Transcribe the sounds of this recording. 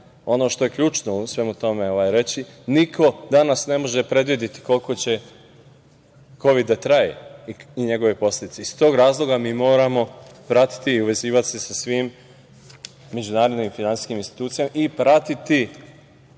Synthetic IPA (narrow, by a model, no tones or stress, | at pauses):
o̞no̞ːʃt̪o̞je̞kʎuːt͡ʃno̞usʋe̞mut̪o̞me̞o̞ʋajɾe̞t͡ɕinikʰo̞d̪anasne̞mo̞ʒe̞pɾe̞d̪ʋid̪et̪i̥ko̞lko̞t͡ɕe̞ | ko̞ʋid̪ːat̪ɾajḛiɲe̞ɡo̞ʋe̞po̞slʲe̞d̪it̪seist̪o̞ːɡɾaːzlˠo̞ɡamiːmo̞ːɾamo̞pɾat̪i̥t̪iːuʋe̞ziːʋat̪sesasʋiːm | e̞d͡ʑunaːɾod̪nimifinant̪i̥skiminst̪i̥t̪uːt̪sijamaʔipɾat̪it̪i